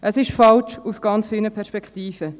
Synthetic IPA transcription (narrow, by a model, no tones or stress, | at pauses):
ʔəsɪʃfɑlt͡ʃusɡ̥ɑnt͡sfiːlnəpʰɛɾʃpɛkχtiːfə